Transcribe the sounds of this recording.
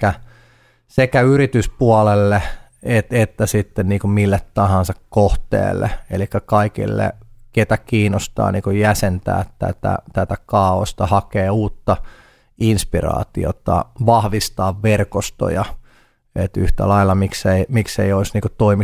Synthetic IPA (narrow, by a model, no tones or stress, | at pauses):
æ | sekæyrit̪yspuɑlelːe | et̪et̪ːæsit̪ːenniːkumilːet̪t̪ɑhɑ̃nsɑkkoht̪ḛːlːḛelikːækɑikḭlːḛket̪ækiːnost̪ɑ̰ːnḭːkujjæsent̪æ̰ːt̪ːæ̰t̪æ̰t̪æt̪ækɑːost̪ɑhɑkeːuːt̪ːɑ | inspirɑ̰ːt̪ḭo̰t̪ɑ̰ʋɑhʋist̪ɑːʋʋerkost̪o̰jɑ | et̪yht̪æ̰lɑilːɑmikseimikseioisniːŋkot̪oimi